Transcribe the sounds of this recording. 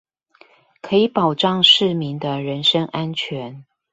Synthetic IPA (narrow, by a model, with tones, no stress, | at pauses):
kʰɤ˧˥i˨˦pɑ˨˩ʊʈ͡ʂɑ˥˧ŋʂɻ̩˥˩˨mi˨˦ŋd̪ə˧ɻə˧˦nʂə˥ŋʔa˦˥nt͡ɕʰɥɛ˨˧˦n